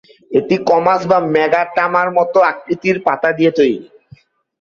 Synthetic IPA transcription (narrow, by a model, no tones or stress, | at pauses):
eʈikɔmasbamɛɡaʈamaɾmɔt̪oak̚ɾit̪iɾpat̪ad̪ijet̪ojɾi